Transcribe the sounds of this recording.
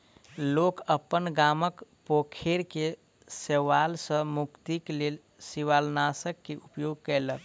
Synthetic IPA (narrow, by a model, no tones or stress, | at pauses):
lokəpːənɡaməkpokʰeɾke | seʋalsə̃mukt̪iklel | siʋalnasəkːeupjoɡ̚kɛɪlək